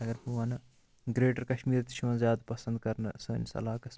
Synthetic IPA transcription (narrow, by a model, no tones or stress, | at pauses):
ɐɡɐɾpuʋanɐ | ɡɾeːʈɐɾkɐʃmiːɾt̪i̥ʃʰuʋɐ̃nzjaːd̪pɐsɐ̃nd̪kɐɾnɐsɐ̰nsɐ̰laːkɐs